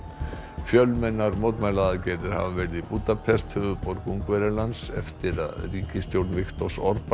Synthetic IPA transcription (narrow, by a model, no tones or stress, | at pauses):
fjœlmɛnːaɾmowt̪majlaðacɛjɾðɪɾ̥ha̰vavɛɾɪðipuːt̪apʰɛst̪hʏvʏpɔɾkuŋkvɛɾɪlansɛ̰ft̪ɪɾa̰ðriːcɪst̪jowɾt̪nvɪxt̪ɔsɔɾp